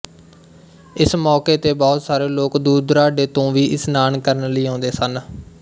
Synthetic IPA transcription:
ɪsmɔːkeːt̪eːbɔːt̪saːɾeːloːkd̪uːd̪ɾaːɖeːt̪õːʋiːʔɪsnaːnkəɾənləiːãːnd̪eːsən

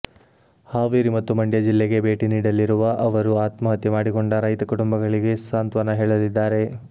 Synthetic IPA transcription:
haːʋiːɾimɐt̪ːumɐɳɖjɐd͡ʒilːeɡe̞be̞ːʈiniːɽɐlːiɾuʋɐʔɐʋɐɾuaːt̪mɐɦɐt̪ːimaːɽiko̞ɳɖɐɾɐjt̪ɐkuʈumbɐɡɐɭiɡe̞saːnt̪ʋɐnɐɦeːɭɐd̪id̪ːaːɾe̞

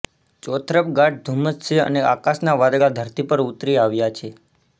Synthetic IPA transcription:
t͡ʃɔt̪ʰɾəp̚ɡaʈ̚d̪ʱuməst͡ʃʰeə̰nea̰kasnaʋad̪ɡad̪ʱəɾt̪ipəɾut̪ɾiaʋjat͡ʃʰe

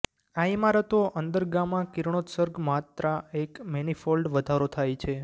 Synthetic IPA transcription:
aimaɾət̪oʔənd̪əɾɡamãkiɾɳ̃ot̪səɾɡmat̪ɾaekmɛnifolɖʋəd̪ʱaɾot̪ʰajt͡ʃʰe

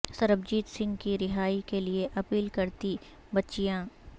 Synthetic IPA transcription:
sɐɾəbd͡ʒiːd̪sɪ̃ŋɡkiɾɪɦaːikelieʔɐpiːlkɐɾt̪i | bɐtːʃijãː

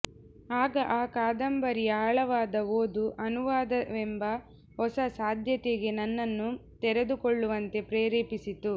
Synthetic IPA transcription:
aːɡɐʔaːkaːd̪ɐmbɐɾijɐɦɐɭɐʋaːd̪ɐoːd̪uʔɐnuʋaːd̪ɐʋɛmbɐ | ɦɔsɐsaːd̪ʱjɐt̪eɡe̞nɐnːɐnːut̪ɛɾed̪ukɔɭːuʋɐnt̪e̞pɾeːɾeːpisit̪u

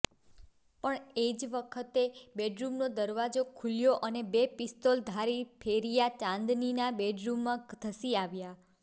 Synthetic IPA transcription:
pəɳed͡ʒʋəkʰət̪ebeɖɾumnod̪əɾʋad͡ʒokʰuljoʔənebepɪst̪old̪ʱaɾipʰeɾijat͡ʃãnd̪ninabeɖɾumːãɡt̪ʰəsiaʋja

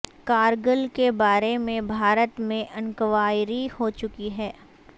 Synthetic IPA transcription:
kaːɾɡəlkebaːɾemẽbʱaːɾət̪mẽʔɐ̃nkəʋaːɪɾihot͡ʃʊkiɦɛː

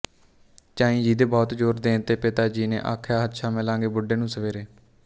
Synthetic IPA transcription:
t͡ʃãːĩːd͡ʒiːd̪eːbɔːt̪d͡ʒoːɾd̪ẽːnt̪eːpɪt̪aːd͡ʒiːnḛːʔaːkʰjaːɦət̪ʃaːmɪlãːŋɡeːbʊɖːeːnũːsəʋeːɾeː

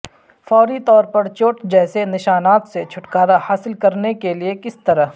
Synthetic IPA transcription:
fɔːɾit̪ɔːɾpɐɾt͡ʃoːʈd͡ʒɛːsenɪʃaːnaːt̪set͡ʃʰʊʈkaːɾahaːsɪlkɐɾnekeliekɪst̪ɐɾəɦ

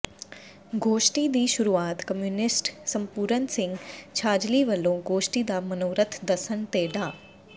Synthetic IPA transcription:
ɡoːʃʈid̪iːʃʊɾuːaːt̪kəmjuːnɪsʈsə̃mpuːɾənsɪ̃ŋɡt͡ʃʰaːd͡ʒliːʋəlːõɡoːʃʈid̪aːmənoːɾət̪ʰd̪əsənt̪eːɖaː

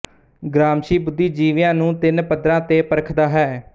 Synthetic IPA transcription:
ɡɾaːmʃiːbʊd̪ːiːd͡ʒiːʋɪjãːnũːt̪ɪnpəd̪ɾãːt̪eːpəɾkʰd̪aːɦɛː

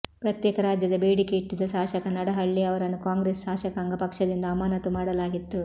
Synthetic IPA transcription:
pɾɐt̪jɛːkɐɾaːd͡ʒjɐd̪ɐbeːɽikeiʈːid̪ɐʃaːʃɐkɐnɐɽɐɦɐɭːiɐʋɐɾɐnːukaːŋɡɾeːsʃaːʃɐkaːŋɡɐpɐkʂɐd̪ind̪ɐɐmaːnɐt̪umaːɽɐlaːɡit̪ːu

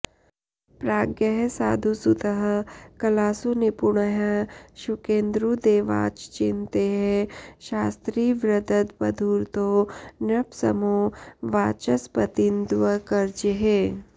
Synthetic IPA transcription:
pɾaːɡjəɦsa̰ːd̪ʱusut̪əɦəkɐlaːsunipuɳəɦəʃukẽːnd̪ɾud̪eːʋa̰ːt͡ʃt͡ʃint̪eɦeʃaːst̪ɾiːʋɾɐd̪ɐt̪bɐd̪ʱuːɾt̪oːnɐpsɐ̰moːʋaːt͡ʃɐspɐt̪ind̪ʋəkɐɾd͡ʒiɦeː

